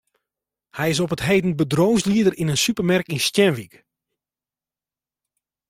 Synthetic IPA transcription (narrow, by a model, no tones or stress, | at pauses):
hɛjɪs̬ɔpətɦeːdən̩bədroːwsliədərinənsypərmɛrkinstjɛnʋik